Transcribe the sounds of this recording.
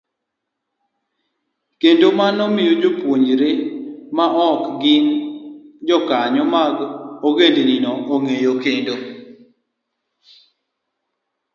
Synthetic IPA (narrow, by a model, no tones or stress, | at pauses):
kendomanɔmɪjod͡ʒopwoɲd͡ʒɾemaʔɔkɡɪn | d͡ʒɔkaɲɔmaɡoɡendeninɔoŋejokendo